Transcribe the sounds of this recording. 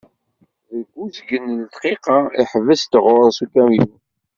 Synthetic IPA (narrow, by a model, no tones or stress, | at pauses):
ðəɡʷːuzɡənlət̪qiqɑiħvəst̪əʁʊɾˤsukæmju